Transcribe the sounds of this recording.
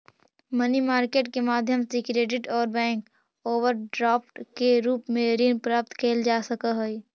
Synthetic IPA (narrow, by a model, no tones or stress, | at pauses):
mənimaːɾkeːʈkemaːd̪ʱjəmsikɾeːɖɪʈɔːɾbɛ̃ːŋk | oːʋəɾɖɾɔːp̚ʈkeɾuːpmẽɾiːnpɾaːp̚t̪kʰeːld͡ʒaːsəkaɦoi